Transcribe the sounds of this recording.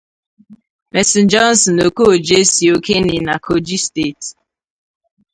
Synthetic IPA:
mɛ˨si˨n̩˦d͡ʒɔ˦n̩˦˨sɔ˨no˨ko˦o˨d͡ʒe˦si˨o˦ke˦ni˨na˨kʰo˨d͡ʒi˦ste˦˨t

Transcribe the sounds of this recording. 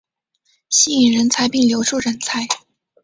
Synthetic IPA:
ɕi˥i˨˩ŋɻə˧˥nt͡sʰa˧˥ɪpi˥˩ŋljo˧˥ʊʈ͡ʂʰu˥˩ɻə˧˥nt͡sʰa˧˥ɪ

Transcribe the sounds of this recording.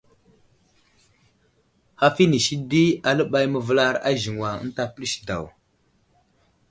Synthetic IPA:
ha˦fi˦ni˨ʃi˦di˦a˨lə˦ɓa˦jmə˨və˦la˦ɾa̰˦ʒi˨ŋwa˨ə̰˦n˦ta˦pə˦li˦ʃda̰˨w

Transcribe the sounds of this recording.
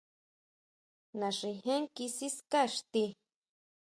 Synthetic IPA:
nã˨ʂi˧ɦe˦ŋki˧si˦ska˦ʂt̪i˧

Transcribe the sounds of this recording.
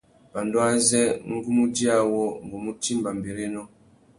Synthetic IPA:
b̥a˨ndɔ˦a˦zɛ˦ŋ̩˦ɡu˦mu˦di˦a˦wɔ˦ŋ˨ɡɔ˨mu˦ti˦mba˨m˨bi˨ɾi˦nɔ˦

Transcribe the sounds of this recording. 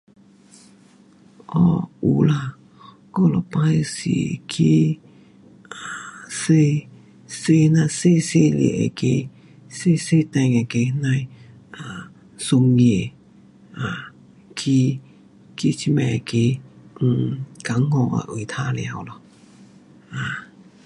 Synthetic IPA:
ʔɔ˧u˨la˧ | kɔ˧˦lɔ˧˨pã˧jsḭ˨kʰi˦ | a˨se˦˧ | se˧˦nã˧se˦se˦lḭ˨ʔḛ˧˨ke˧˦ | se˦se˦t̪ɛ̃˧ŋe˨ke˧nã˧j | a˨ | su˧ŋe˨ | a˨ | kʰi˧ | kʰi˧t͡ʃi˧mɛ̃˧˨kẽ˧˨˧ | ka˨˦ŋɔ˧˨a̰˧˨ʔu˨i˨t̪ʰa˦lḭ˧a˧˨wlɔ˧ | a˨˧

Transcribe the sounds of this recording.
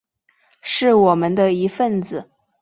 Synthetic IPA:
ʂɻ̩˥˩wɔ˨˩mə˧˦nd̪ə˧i˧˥fə˥˩nd͡zɹ̩˨˩

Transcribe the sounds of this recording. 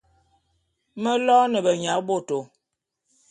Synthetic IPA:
mə˦lɔ˦nə˨bə˨ɲa˨˦bo˦˨to˨

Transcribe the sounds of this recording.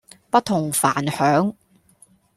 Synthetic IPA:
pɐ˥t̪̚ʰːʊ˨˩ŋfaː˨˩nhœː˨˥ŋ

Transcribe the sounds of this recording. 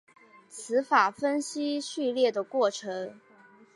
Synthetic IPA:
t͡sʰɹ̩˧˥fa˨˩fə˥nɕi˥ɕy˥˧ljɛ˥˩d̪ə˩kwɔ˥˩ʈ͡ʂʰɤ˧˥ŋ

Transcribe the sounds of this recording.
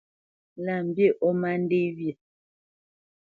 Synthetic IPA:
la˨m̩˨bje˦˨ʔɔ˦ma˦n̩˦de˦βje˨

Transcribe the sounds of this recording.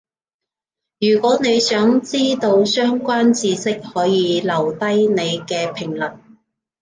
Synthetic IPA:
jyː˨˩kʷɔː˨˥ne˨˧jsœː˨˥ŋt͡siː˥t̪o˧wsœː˥ŋkʷaː˥nt͡siː˧sɪ˥k̚hɔː˨˥jiː˨˧lɐ˨˩wt̪ɐ˥jne˨˧jkɛː˧pʰɪ˨˩ŋlɐ˨˩t̚

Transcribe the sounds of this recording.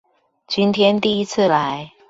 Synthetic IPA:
t͡ɕy˥nt̪ʰjɛ˦nt̪i˥˧i˦˥t͡s̩ʰ˥˩la˨˦ɪ

